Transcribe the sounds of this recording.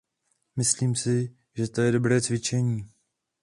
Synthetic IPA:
mɪsliːmsɪ | ʒɛt̪o̞jɛdo̞bɾɛːt͡svɪt͡ʃɛɲiː

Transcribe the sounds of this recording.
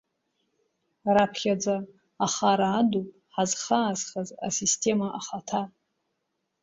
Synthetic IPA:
rapʰχʲad͡zaː | χaɾaːdupʼħazχaːzχaza̰sistʰe̞maʔaχatʰa

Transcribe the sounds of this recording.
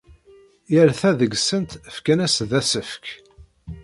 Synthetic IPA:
jəɾθæðəɡsənt̪əfkænæsðæsəfk

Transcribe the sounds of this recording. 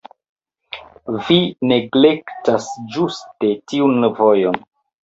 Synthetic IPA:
vine̞ɡle̞ktasd͡ʒuste̞tiunvo̞jon

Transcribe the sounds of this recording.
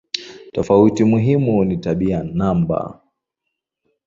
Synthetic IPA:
tɔfautimuɦimunitaɓianamba̰

